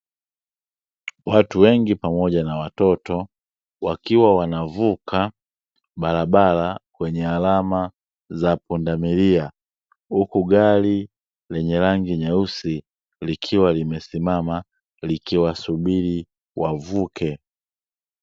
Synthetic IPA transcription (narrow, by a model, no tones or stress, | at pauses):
watuwɛŋɡipamɔɟanawatɔtɔ | wakiwawanavukʰa | balabalakwɛɲɛalama | zapundamilia | hukuɡali | lɛɲɛlaŋɡiɲausi | likʰiwalimɛsimama | likiwasubili | wavukʰɛ